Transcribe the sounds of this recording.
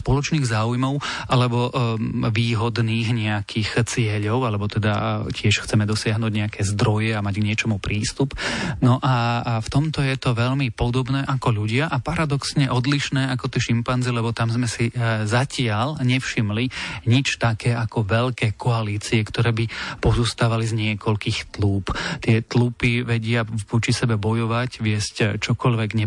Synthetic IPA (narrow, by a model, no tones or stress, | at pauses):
spɔlɔt͡ʃniːɣzaːujmɔʊʔalɛbɔʋiːɦɔd̪niːɣɲɛakʰiːxt͡sɪɛʎɔʊalɛbɔt̪ɛd̪acɪɛʃxt͡sɛmɛd̪ɔsɪaɦnuːɟɲɛakʰɛzd̪ɾɔjɛamaɟɡɲɪɛt͡ʃɔmupɾiːst̪upnɔʔaft̪ɔmt̪ɔjɛt̪ɔʋɛʎmipɔd̪ɔbnɛːʔakɔʎuɟɪaʔapaɾad̪ɔksɲɛʔɔd̪liʃnɛːakɔt̪ɛːʃimpanzilɛbɔt̪amzmɛsizacɪaʎɲɛfʃimliɲit͡ʃt̪akɛːʔakɔʋɛʎkɛːkʰɔaliːt͡siɛkt̪ɔɾɛːbipɔzuːst̪aːʋalizɲɪɛkɔʎkiːxt̪luːpt̪ɪɛt̪lupiʋɛɟɪaʋɔt͡ʃisɛbɛbɔjɔʋacʋɪɛsct͡ʃɔkɔʎʋɛɡɲɛ